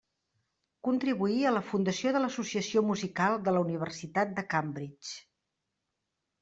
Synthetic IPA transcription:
kunt̪ɾiβuiələfund̪əsioðələsusiəsiomuzikalˠd̪ələuniβ̞ərsit̪at̪̚d̪əkambɾit͡ʃ

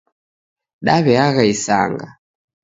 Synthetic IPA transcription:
ɗaβɛaɣaisa̰ŋɡa

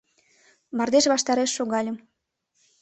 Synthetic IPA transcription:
mɑrd̪eʃβɑʃt̪ɑɾeʃːoɣɑlʲə̆

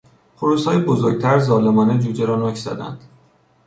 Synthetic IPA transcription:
pʰoɾuːshɒːjibozoɾɡ̚t̪ʰæɾzɒːlemɒːned͡ʒuːd͡ʒeɾɒːnokʰz̥æ̰d̪æ̰nd̪̥

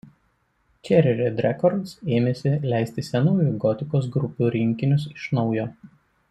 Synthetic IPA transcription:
t͡ʃʲɛɾʲɪɾʲed̪ʲɾʲɛkɔɾt̪seːmʲesʲɪlʲæˑɪsʲt̪ʲɪsʲɛnuːjuˑɡɔt̪ʲɪkoːs̬ɡɾʊpʲuːɾʲɪŋʲkʲɪnʲʊs̬ɪʃnɒʊjoː

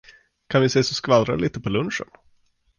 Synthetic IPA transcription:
kʰanvɪseːsɔskvalɾa̰liːt̪əpʰɔlɵnʂə̰n

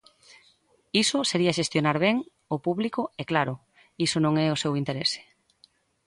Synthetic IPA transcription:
isʊseɾiaʃest̪jonaɾβɛŋ | ʊpuβlikʊɛklaɾʊ | isʊnõŋɛʊsewint̪eɾese̥

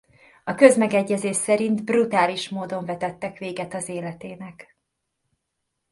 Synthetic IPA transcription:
ɒkø̞zmɛɡɛɟːɛzeːʃsɛɾint̪brut̪aːliʃmoːd̪o̞ɱvɛt̪ɛt̪ːɛkʋeːɡɛt̪ɒzeːlɛt̪eːnɛk

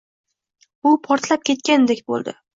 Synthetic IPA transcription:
bʊpʰɒɾt̪lap̚kʲʰe̞t̪kʲanɪd̪ekʲbo̰lˠd̪ɪ̰

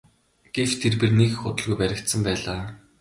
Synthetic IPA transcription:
ɡ̥ew̥t̪ʰːerpernekxʊt̪ə̆ɮɣujpæɾʲɪ̆kt̪sə̆mpæːɮaː

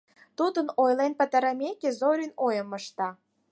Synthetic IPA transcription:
t̪ud̪ənojlenpə̆t̪ə̆ɾə̆mʲekezoɾʲinojə̆mə̆ʃt̪ɑ

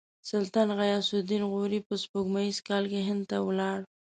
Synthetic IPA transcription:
sʊlt̪ɑnɣajɑsʊd̪inɣoɾipəspoɡmaizkɑlkeɦɪnd̪t̪awlɑɽ

